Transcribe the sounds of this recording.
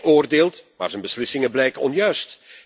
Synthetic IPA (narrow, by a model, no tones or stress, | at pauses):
oːrdeːlˠtma̰ːrzənbəslɪsɪŋəblɛjkəɔ̰njœɥst